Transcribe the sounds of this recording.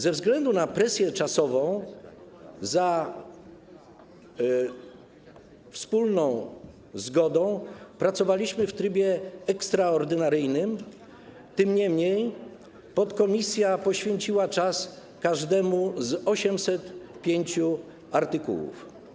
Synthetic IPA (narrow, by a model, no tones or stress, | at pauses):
zɛvzɡlɛnd̪unapɾɛsʲjɛt͡ʂasɔvɔ̃w̃ | za | fspulnɔ̃w̃ | zɡɔd̪ɔ̃w̃pɾat̪sɔvalʲiɕmɘft̪ɾɘbʲjɛɛkst̪ɾaɔɾd̪ɘnaɾɘjnɘm | t̪ɘmɲɛmɲej | pɔt̪kɔmʲisʲjapɔɕfʲjeɲt͡ɕiwat͡ʂas | kaʐd̪ɛmuzɔɕɛmsɛt̪pʲjeɲt͡ɕu | aɾt̪ɘkṵwṵf